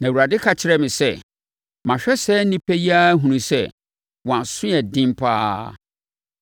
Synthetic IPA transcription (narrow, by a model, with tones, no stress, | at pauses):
nã˨wu˨ɾa˨dɪ˦kʰa˨t͡ɕʰɪ˨˦ɾɛ˦mɪ̃˨sɛ˦ | mã˨ɕᶣɛ˦sɛː˦nĩ˦pʰɛ˦ji˦a˦ɦũ˨nũ˨sɛ˦˨ | wɔ̃˨ã˨sʊ̃˦jɛ˨dɪ̃˦m˦pʰa̰ː˦